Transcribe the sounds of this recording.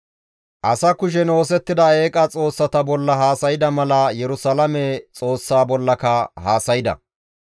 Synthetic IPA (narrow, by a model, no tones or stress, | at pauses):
ʔɐsɐkʊʃ̬ɛno̞ːs̬ɛt̪ːɪd̪ɐeːkʼɐt͡sʼo̞ːsːɐt̪ɐbɔlːɐɦaːsɐjɪd̪ɐmɐlɐjɛɾʊsɐlɐmɛt͡sʼo̞ːsːaːbɔlːɐkɐhaːsɐjɪd̪ɐ̰